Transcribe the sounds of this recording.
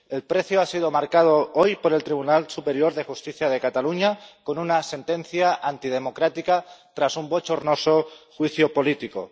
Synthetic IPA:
e̞lpɾe̞θjoasið̞o̞maɾkað̞oojpo̞ɾe̞lt̪ɾiβ̞unalsupe̞ɾjo̞ɾðe̞xust̪iθjaðe̞kat̪aluɲako̞nunase̞nt̪e̞n̟θjaʔant̪ið̞e̞mo̞kɾat̪ikat̪ɾasumbot͡ʃo̞ɾno̞soxwiθjopo̞lit̪iko̞̰

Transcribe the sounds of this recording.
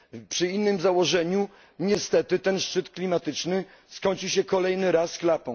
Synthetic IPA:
pʂɘinːɘmzawɔʐɛɲu | ɲɛst̪ɛt̪ɘt̪ɛnʂt͡ʂɘt̪klʲimat̪ɘt͡ʂnɘ | skɔɲt͡ɕiɕɛkɔlɛjnɘɾasklapɔ̃w̃

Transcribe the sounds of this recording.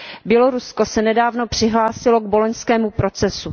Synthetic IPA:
bjɛlo̞ɾusko̞sɛnɛdaːvno̞pr̝̥ɪɦlaːsɪlo̞ɡ̚boloɲskɛːmupɾo̞t͡sɛsu

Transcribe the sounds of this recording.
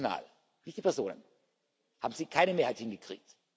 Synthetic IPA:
na̰ːl | nɪçd̥ipɛɐzoːnə̰n | ha̰ːbm̩ziːkʰaɪnəmeːɐhaɪthɪnɡəkʁ̥ḭːk̚t

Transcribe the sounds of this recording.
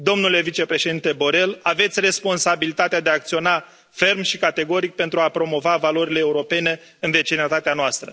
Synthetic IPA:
d̪o̞mnule̞vit͡ʃe̞pɾe̞ʃe̞d̪int̪e̞bo̞ɾe̞lave̞t̪sʲre̞spo̞nsabilit̪at̪ead̪eaːk̚t̪sio̞na | fe̞rmʃikat̪e̞ɡo̞ɾik̚pe̞nt̪ɾuapɾo̞mo̞vavalo̞ɾileːuɾo̞pe̞ne̞ | ɨnve̞t͡ʃinət̪at̪eanoast̪ɾə

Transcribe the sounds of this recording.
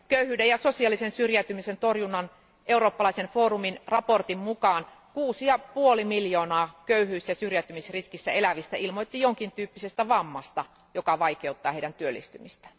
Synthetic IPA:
køyhˑyːdejɑsosiɑlːˑisensyrjæt̪ymisent̪orjunːɑn | ʔeuroːpːɑlɑisenfoːruminrɑport̪immukɑːn | kuːsijɑpuolimiljoːnɑːkøyhyːsjɑsyrjæt̪ːymisriskisːæ̰elæʋist̪æilmoit̪ːijoŋkint̪yːpːisest̪æʋɑmːɑst̪ɑ | jokɑʋɑikeut̪ːɑːheidænt̪yølːḭst̪ymist̪æ̥

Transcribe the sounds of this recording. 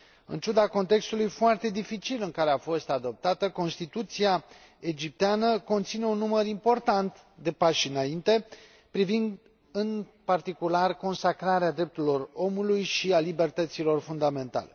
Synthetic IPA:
ɨ̰nt͡ʃud̪ako̞nt̪e̞kst̪ulujfoart̪e̞d̪ifit͡ʃilɨŋkaɾe̞afo̞st̪ad̪o̞p̚t̪at̪əko̞nst̪it̪ut̪sia | ed͡ʒip̚t̪eanəko̞nt̪sine̞unːuməɾimpo̞rt̪ant̪ | d̪e̞paʃinaint̪e̞ | pɾivind̪ | ɨnpart̪ikularko̞nsakɾaɾead̪ɾe̞p̚t̪uɾilo̞ro̞mulujʃialibe̞rt̪ət̪silo̞rfund̪ame̞nt̪a̰le̞

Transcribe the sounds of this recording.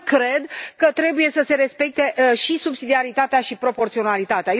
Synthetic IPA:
kɾe̞d̪kət̪ɾe̞buje̞səse̞ɾe̞spe̞k̚t̪e̞ʃisubsid̪iaɾit̪at̪eaʃipɾo̞po̞rt̪sio̞nalit̪at̪eaj

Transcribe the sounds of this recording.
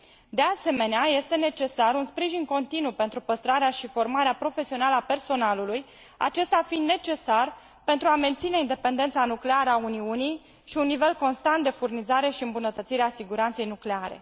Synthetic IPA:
d̪e̞ase̞me̞neaje̞st̪e̞ne̞t͡ʃe̞saɾunspɾiʒinko̞nt̪inupe̞nt̪ɾupəst̪ɾaɾeaʃifo̞rmaɾeapɾo̞fe̞sio̞naləape̞rso̞naluluj | a̰t͡ʃe̞st̪afind̪ne̞t͡ʃe̞sar | pent̪ɾuame̞nt̪sine̞ind̪e̞pe̞nd̪e̞nt̪sanukle̞aɾəauniunij | ʃiunːive̞lko̞nst̪ant̪̚d̪e̞furnizaɾe̞ʃiɨmbunət̪ət̪siɾeasiɡuɾant̪se̞jnukleaɾe̞̰

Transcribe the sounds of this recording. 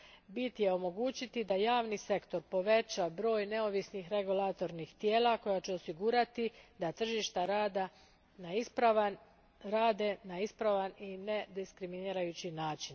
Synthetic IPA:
bit̪je̞o̞mo̞ɡuːt͡ʃit̪id̪ajaːʋnise̞kt̪o̞ɾpo̞ʋe̞t͡ɕabɾo̞ːjne̞o̞ʋisnixɾe̞ɡulat̪o̞ɾnixt̪jeːlako̞jat͡ɕeo̞siɡuːɾat̪id̪at̪r̩ʒiʃt̪aɾad̪a | naispɾaa | ɾaːd̪e̞naispɾaʋanine̞d̪iskɾiminiːɾajut͡ɕinaːt͡ʃin

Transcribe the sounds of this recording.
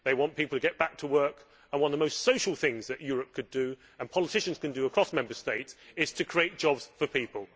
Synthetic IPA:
ðeɪwɒ̃npʰiˑpl̩ˠtʰəɡɛʔ̚b̥ak̚tʰəwɜˑ˞k | ə̃nwʌ̃nəvðəmoʊstsoʊʃəlˠθɪ̃ŋzðɨʔjɔːɹəp̚kʰɨdə | ə̃npʰɒlətʰɪʃə̃n̩z̥kɨ̃ndəːkʰɹ̥ɒsmɛ̃mbəsteɪtsɪz̥tʰɨkʰɹ̥ieɪt̚d̥ʒ̥ɒbz̥fəpʰiˑpəlˠ

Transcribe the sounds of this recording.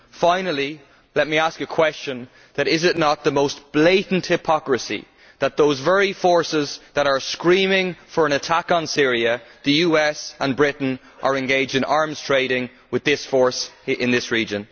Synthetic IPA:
fãɪ̃nəlˠi | lɛt̚miaskəkʰw̥ɛst͡ʃə̃n | ðəɾɪzɪtⁿnət̪̚ðəmoʊsb̥leɪʔn̩thɪpʰɑkɹəsḭ | ðət̪̚ðoʊzvɛɹifɔɹsɪzðəɾə˞skɹĩːmɪ̃ŋfə˞ə̃nətʰakn̩sɪɹiəðəjuːɛsə̃nbɹɪʔn̩ | ʔə˞ɛ̃nɡeɪd͡ʒdɪ̃nʔaɹmz̥tʰɹ̥eɪɾɪ̃ŋ | wɪðɪsfɔɹsɪ̃nðɪsɹiːd͡ʒə̃n

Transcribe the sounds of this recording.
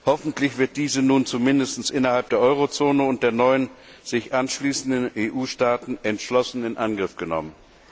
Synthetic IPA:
hɔfn̩tlɪçv̥ɪɐt̚d̥iːzənuːnt͡sumɪndəstn̩sʔɪnɐhalp̚d̥eːɐʔɔʏʁot͡soːnəʊnt̚d̥eːɐnɔʏən | z̥ɪçʔanʃliːsn̩dəneːʔuːʃtaːtn̩ʔɛntʃlɔsn̩ɪnʔanɡʁɪfɡ̥ənɔ̰mən

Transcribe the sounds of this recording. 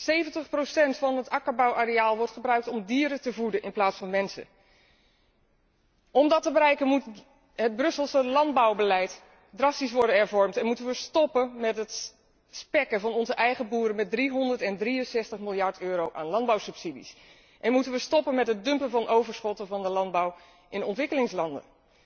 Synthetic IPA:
sejvəntəχprosɛntfɑnɦətakəɹbawʔarejaːlˠʋɔɹtχəbrœɥk̚tɔmdiːəɾətəvudəʔɪ̰nplaːtsfɑnmɛnsə̰ | ɔmdɔtəbəɾɛjkənmut | ɦəd̚brɵsəlˠsəlɑnd̚bawbəlɛjt | drɑstis̬ʋɔɹdənɛɹvɔɹmtɛnmutənʋəstɔpəmɛtɦət | spɛkəvɑnɔnzəʔɛjχəbuːɾəmɛt̚driɦɔndərtɛndriənsɛstəχmɪlˠjɑɹtøːɾowʔaːnlɑnd̚bawsəpsidḭs | ʔɛnmutənʋəstɔpənmɛtɦətdɵmpənvɑnʔowvəɹsχɔtəvɑndəlɑnd̚baw | ʔɪnɔntʋɪkəlɪŋslɑndə̰

